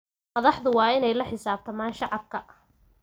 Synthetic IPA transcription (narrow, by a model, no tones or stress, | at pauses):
mɐðɑħðʊwɑːɪnɛjlɐħɪsaːb̚t̪ʰɐmaːnʃɑʕɑb̚kʰɐ